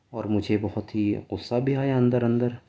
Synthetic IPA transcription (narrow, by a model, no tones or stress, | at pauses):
ɔːɾmʊd͡ʒʱebɔɦɔt̪ʰiːqʊsːabʱiaːjaɐ̃nd̪əɾɐnd̪əɾ